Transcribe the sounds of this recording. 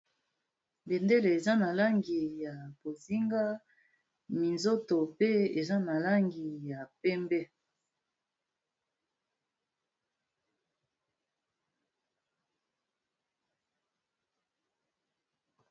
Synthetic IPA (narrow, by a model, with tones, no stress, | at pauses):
be˨nde˦le˨e˨za˦na˨la˦ŋɡi˨ja˨b̥o˨zi˦ŋɡa˦ | mi˨nzo˦to˨pe˦e˨za˦na˨la˦ŋɡi˨ja˨pɛ˦mbɛ˦